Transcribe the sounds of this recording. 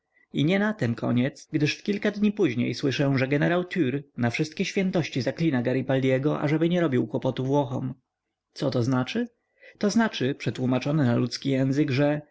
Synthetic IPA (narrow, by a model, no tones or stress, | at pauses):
iɲɛnat̪ɛmkʰɔ̰ɲɛt̪sɡd̪ɘʂfkʲilkad̪ɲipuʑɲḛjswɘʂɛʐɛɡɛnɛɾawt̪ʰyɾnafʂɘst̪kʲɛɕfʲjɛnt̪ɔɕt͡ɕizaklʲinaɡaɾipalʲjɛɡɔʔa̰ʐɛbɘɲɛɾɔbʲiwkwɔpɔt̪uvwɔxɔ̰m | t̪sɔt̪ɔznat͡ʂɘ | t̪ɔznat͡ʂɘpʂɛt̪wumat͡ʂɔnɛnalut̪skʲijɛ̃w̃zɘɡʐɛ